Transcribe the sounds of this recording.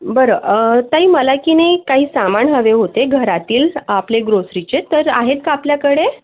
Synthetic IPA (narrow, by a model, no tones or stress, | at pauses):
bəɾət̪aɦiːməlakinajkaɦiːsamaɳɦəʋeɦot̪eɡʱəɾat̪iːlapleɡɾosɾit͡ɕet̪əɾaɦet̪̚kaapljakəɽe